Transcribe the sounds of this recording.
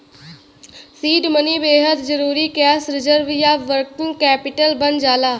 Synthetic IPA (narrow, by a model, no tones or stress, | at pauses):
siːɖmənibeːɦəd̪d͡ʒəɾuːɾikɛːsɾɪzəɾʋjaːʋəɾkɪ̃ŋɡkɛːpɪʈəlbənd͡ʒaːlaː